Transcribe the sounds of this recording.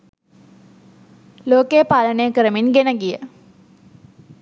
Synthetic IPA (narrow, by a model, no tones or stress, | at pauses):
loːkejpalənejəkəɾəminɡenəɡijə